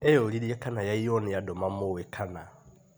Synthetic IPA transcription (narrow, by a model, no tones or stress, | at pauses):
ɛjɔliɾiɛkʰanajaijɔnɪjadɔmamowɛkʰana